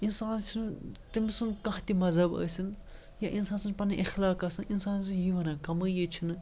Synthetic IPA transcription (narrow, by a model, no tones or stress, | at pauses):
insaːnt͡ʃʰint̪imisunkɐ̃ɦt̪imɐzɐbɐ̰ːsin | jɐʔinsaːnsɨnpɐnɐʔixlaːkasɨninsaːnsɨjiʋɐnɐ̃kɐməːjet͡ʃʰin